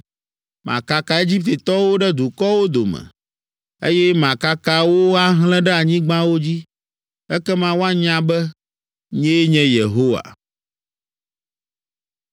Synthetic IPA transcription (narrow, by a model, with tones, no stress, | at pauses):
mã̰˨ka˦ka˨e˦d͡ʑi˦p̚t̪e˨t̪ɔ˦wo˦ɖɛ˦d̪u˨kɔ˦wo˦d̪o˨mɛ̰̃˨ | ḛ˦jɛ˦mã˨ka˦ka˦wo˦a˦ɦlɛ̃˦ɖɛ˦a˨ɲĩ˦ɡ͡bã˦wo˦d͡ʑi˦ | ɛ˦kɛ˦mã˦wo˦a˦ɲã˦bɛ˦ | ɲɛ̃˦ɲɛ̃˦je˨ɦo˦wa̰˨